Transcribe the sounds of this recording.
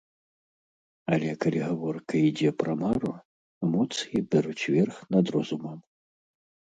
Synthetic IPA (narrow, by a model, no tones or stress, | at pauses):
ɐ̰lʲɛkalʲiɣavɔrkɐid͡zʲɛpɾɐmaɾu | ɛmɔt̪sɨjibʲɛɾut͡sʲvʲɛrxnɐd̪ɾɔzumɐm